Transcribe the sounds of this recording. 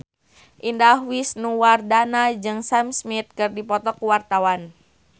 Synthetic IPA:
ʔindahwisnuwardanad͡ʒɨŋsamsmit̪̚kɨrdipɔt̪ɔkuwart̪awan

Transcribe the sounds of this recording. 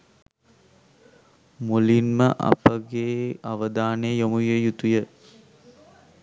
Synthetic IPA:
mulinməʔa̰pəɡeːaʋəd̪aːnejəjomujejut̪ujə

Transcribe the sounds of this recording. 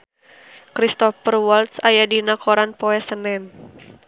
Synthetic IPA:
kɾist̪ɔfərwɔlt̪̚sajadinakɔɾanpɔɛsənɛn

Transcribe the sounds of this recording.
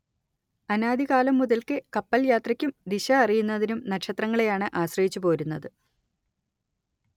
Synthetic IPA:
ɐnaːd̪iɣaːlɐmːuðɐlkɨkɐpːɐljaːt̪rɐkʲːumd̪iɕɐːrijunːɐðinumnɐkʂɐt̪rɐŋːɐɭejaːɳɨʔaːɕrɐjit͡ɕːupo̞ːɾunːɐðɨ

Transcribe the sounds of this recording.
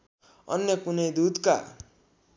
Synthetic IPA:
ʌ̰njʌkunʌjd̪ud̪ka̰

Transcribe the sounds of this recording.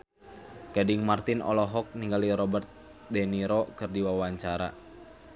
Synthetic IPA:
kadiŋmart̪inɔ̰lɔɦɔk̚niŋɡaliɾɔbərt̪̚ | dɛniɾɔkɨrdiwawaɲt͡ʃaɾa̰

